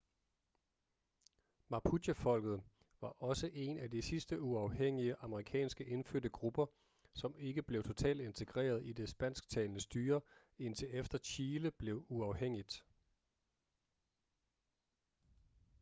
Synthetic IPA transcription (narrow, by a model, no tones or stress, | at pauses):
mɑ̈pʰu̥əfɒ̽l̰ɡ̥ð̞̩ˠ | ʋɑ̈ʔɒ̽səʔe̝næd̥isisd̥əuɑ̈ʊɦeŋ̰iəʔɑ̈məʁikʰɛ̰ːnsɡ̥əʔe̝nføɐ̰d̥əɡ̥ʁub̥ɐ | sɒ̽me̝ɡ̥əb̥le̝ʊt͡sʰo̝t͡sʰɛ̰ːld̥e̝nt͡sʰe̝ɡ̥ʁḛːɐð̞ˠid̥e̝sb̥æn̰sɡ̥̚t͡sʰɛ̰ːlnəsd̥yːɐ | e̝n̰t͡sʰe̝efd̥ɐɕʰiːləb̥le̝ʊuɑ̈ʊheŋ̰id̥